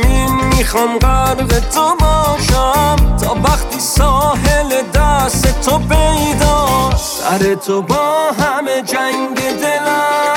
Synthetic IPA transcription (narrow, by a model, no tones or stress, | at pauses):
inmixɔmqaɾvɛt̪ʰobɔʃamt̪ʰɔvaχt̪ʰisɔɦeled̪aset̪ʰopʰejd̪ɔd̪ʰa̰ɾet̪ʰobɔɦamed͡ʒand̪ed̪ela